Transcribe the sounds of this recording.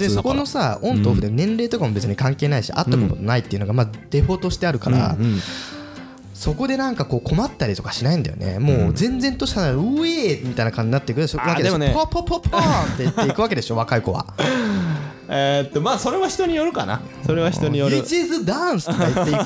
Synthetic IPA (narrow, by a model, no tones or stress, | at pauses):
d̪eso̞kono̞saõ̞nt̪oːɸɯ̟d̪enẽ̞nɾe̞ːt̪o̞kamo̞be̞t͡sɨɲ̟ikãŋke̞ːnaiɕḭʔa̰t̪ːakot̪ot̪onait̪ːeɯ̟no̞ɡamad̪̥e̞ɸo̞t̪o̞ɕi̥t̪e̞aɾɯ̟kaɾa̰ | so̞ko̞d̪e̞nãŋkako̞ːkʰo̞mat̪ːaɾʲit̪o̞kḁɕinaĩnd̪ajo̰nḛmo̞ːzẽ̞nd͡zẽ̞nt̪o̞ɕit̪anaɾɯemʲit̪ainakãɲd͡ʑiɲinat̪ːeikɯ̟t̪ooβaeoopʰopʰopʰːont̪ːe̞itːe̞ikɯ̟βak̬e̞d̪e̞ɕo̞βakaiko̞βa̰ | et̪ːomaːso̞ɾe̞βaçi̥t̪o̞ɲ̟ijo̞ɾɯ̟ka̰na̰ | soɾeβaçit̪oɲijoɯd͡ʑizɨd̪ãsɨtokaiei